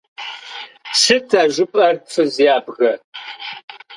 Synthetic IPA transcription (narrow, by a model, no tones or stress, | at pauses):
sɨtʰaːʒʷʊpʼɐrfɨzijaːbɣɐ